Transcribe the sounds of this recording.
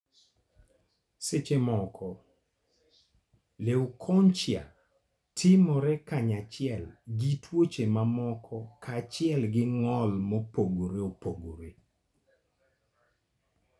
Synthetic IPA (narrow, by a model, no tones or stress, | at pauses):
set͡ʃemɔkʰɔ | lewukʰɔɲt͡ʃja̰ | tʰɪmɔɾɛkaɲat͡ʃɪɛlɡitwot͡ʃemamɔkʰɔkʰat͡ʃɪɛlɡɪŋɔlmopoɡoɾeopoɡoɾe